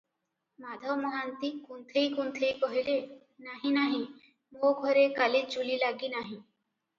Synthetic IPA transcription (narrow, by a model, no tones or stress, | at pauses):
mad̪ʱɔmɔɦant̪ikunt̪ʰijkunt̪ʰejkɔɦile | naɦĩnaɦĩ | moɡʱɔɾekaled͡ʒulilaɡinaɦĩ